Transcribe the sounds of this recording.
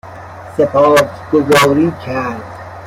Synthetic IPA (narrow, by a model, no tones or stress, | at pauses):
sepʰɒːz | ɡozɒːɾiːkʰæɾd̪